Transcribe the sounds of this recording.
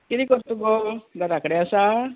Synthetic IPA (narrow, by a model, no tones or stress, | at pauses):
kiɾikɔɾt̪ubɔɡaɾakɽɛasa